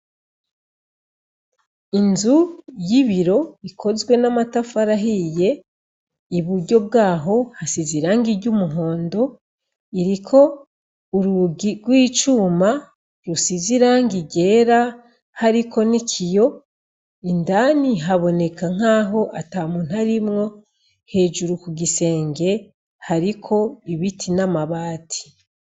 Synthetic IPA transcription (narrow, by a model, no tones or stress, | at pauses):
inzujiβiɾo̞ikʰo̞zɡwe̞namatafaɾaɦije̞ | iβuɾɟo̞b̚ɡaːɦo̞hasiziɾaːŋɡiɾɟumuɦo̞ːndo̞ | iɾikʰo̞ | uɾuɡiɡwiːt͡ʃuːma | ɾusiziɾaːŋɡiɟe̞ːɾa | haɾikʰo̞nicʰijo̞ | indaːniɦaβo̞ne̞kaŋ̥aːɦo̞ʔatamun̥haɾimŋo̞ | he̞ːd͡ʒuɾukuɡise̞ːŋɡe̞ | haɾikʰo̞iβitʰinamaβaːtʰi̥